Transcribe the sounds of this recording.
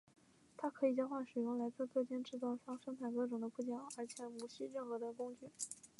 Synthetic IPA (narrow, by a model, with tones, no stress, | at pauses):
t̪ʰa˥kʰɤ˧˥i˨˩t͡ɕjɑ˥xwa˥˩ʂɻ̩˨˩jʊ˥˩ŋla˧˥ɪt͡sɹ̩˥˧kɤ˥˧˩t͡ɕjɛ˥nʈ͡ʂɻ̩˥˩t͡sɑ˥˧ʊʂɑ˥ŋʂɤ˥ŋt̪ʰa˥˩ɪkɤ˥˩ʈ͡ʂʊ˨˩ŋd̪ə˦pu˥˩t͡ɕjɑ˥˩ŋə˞˧˥t͡ɕʰjɛ˨˧˥mu˧˥ɕi˥ɻə˥˩nxɤ˧˥d̪ə˧kʊ˥ŋt͡ɕy˥˩